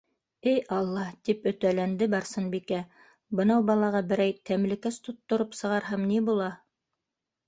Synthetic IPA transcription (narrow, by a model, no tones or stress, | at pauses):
ɘjɑlˠːɑt̪ipɵ̆t̪ælænd̪ɘbɑɾsɤnbikæ | bɤ̆nɑwbɑlˠɑʁɑbɘ̆ɾæjt̪æmlɘ̆kæst̪ŏt̪ːŏɾopsɤ̆ʁɑɾɦɑmnibulˠɑ